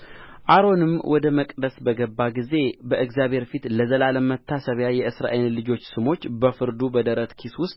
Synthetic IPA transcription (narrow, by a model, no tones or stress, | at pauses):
ʔaɾo̞nɨmwʔɔd̪əməkʼd̪əsbəɡəbːaɡize̞bəʔɨɡzjaβhe̞ɾfit̪ləzəlaləmət̪ʰːasəβjajɛʔɨsɾa̰ʔejnlɨd͡ʒo̞t͡ʃːsɨmo̞t͡ʃːbəfɨɾd̪ubəd̪əɾət̪kʰiswʊst̪ʼ